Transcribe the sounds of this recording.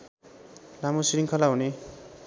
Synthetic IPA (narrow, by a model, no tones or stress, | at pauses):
lamosiɾiŋkʰʌlaɦune